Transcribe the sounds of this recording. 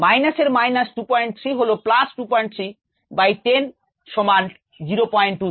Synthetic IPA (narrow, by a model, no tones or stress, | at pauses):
majnaseɾmajnasʈupɔjɳʈ̚t̪ʰɾiɦoloplasʈupɔjɳʈ̚t̪ʰɾi | bajt̪en | ʃɔmanʈ | d͡ʑiɾopɔjɳʈːu